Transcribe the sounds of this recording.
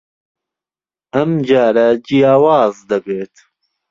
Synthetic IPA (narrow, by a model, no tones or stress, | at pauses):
ɐmd͡ʒaːɾɐd͡ʒijaːwaːzd̪ɐbeːt̪